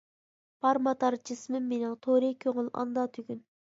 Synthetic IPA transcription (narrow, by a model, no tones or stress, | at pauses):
pɑɾmɑt̪ɑɾt͡ʃʰɪsmɪːenɪŋt̪ʰoɾɪkʲʰøŋɪlʔɑ̰nd̪ɑt̪ʰyɡʲyn